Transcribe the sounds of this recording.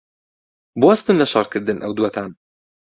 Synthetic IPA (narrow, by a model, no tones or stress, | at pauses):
bwɐst̪ɨnlɐʃɑ̰rkʰɨɾd̪ɨnʔɐwd̪wɐt̪ʰaːn